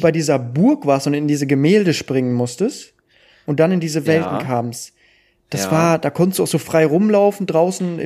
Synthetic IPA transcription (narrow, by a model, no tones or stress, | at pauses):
baɪdiːzɐbʊɐkv̥aːɐstʊnɪndiːzəɡəmeːldəʃpʁ̥ɪŋənmʊstəst | ʔʊnt̚d̥anɪndiːzəvɛltn̩kʰaːms | d̥asv̥aːɐd̥aːkʰɔntəsd̥uːaʊxz̥oːfʁ̥aɪʁʊmlaʊfn̩dʁaʊsn̩ɪ̰